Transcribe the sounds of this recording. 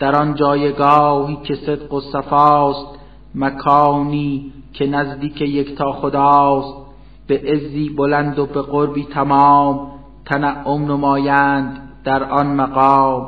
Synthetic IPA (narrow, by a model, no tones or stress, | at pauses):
d̪̥æɾɒnd͡ʒɒːjeɡɒːhiːcʰe̞sed̪ɢosæfɑːst̪ | mækʰɑːniː | cʰe̞næzd̪iːkʰe̞jekt̪ʰɒːxod̪ɑːst̪̚ | b̥eʔezːiːbolænd̪obe̞ɣoɾbiːt̪ʰæmɑːm | t̪ʰænæʔːomnemɑːjænd̪d̪̥æɾʔɒnmæɣɒːm